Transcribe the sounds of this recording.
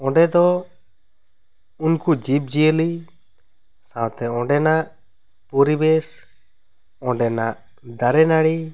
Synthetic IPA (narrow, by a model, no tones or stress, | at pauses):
ɔ̃ɖɛd̪ɔ | unkud͡ʒip̚d͡ʒijəli | sãwt̪ɛɔ̃ɖɛnaʔ | pɔɾibɛs | ɔ̃ɖɛnaʔ | d̪aɾɛnaɽi